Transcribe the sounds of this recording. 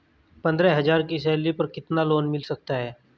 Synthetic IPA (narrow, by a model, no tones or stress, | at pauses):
pɐ̃nd̪ɾɛɦɐzaːɾkisɛːlipɐɾkɪt̪naloːnmɪlsɐk̚t̪aɦɛː